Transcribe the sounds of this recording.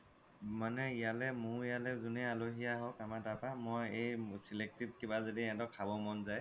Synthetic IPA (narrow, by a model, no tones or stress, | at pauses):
manɛijalɛmuijalɛzunɛaloɦijaɦɔkamadapamɔjejsilek̚tit̚kibazediɛ̃dɔkʰːabɔmɔnzaj